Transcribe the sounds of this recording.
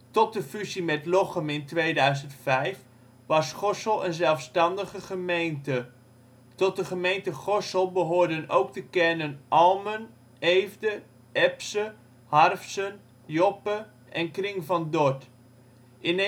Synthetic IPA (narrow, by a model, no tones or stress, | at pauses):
tɔt̚dəfyzimɛtlɔχəmɪntʋejdœɥzəntfɛjf | ʋɑsχɔsəlˠə̰nzɛlˠfstɑndəχəχəmejntə | tɔt̚dəχəmejntəχɔsəlˠbəɦʊːɹdəno̰wktəkɛnənʔɑlˠmən | ejvdə | ɛpsə | hɑrfsən | jɔpə | ʔɛnkrɪŋvɑndɔɹt | ɪn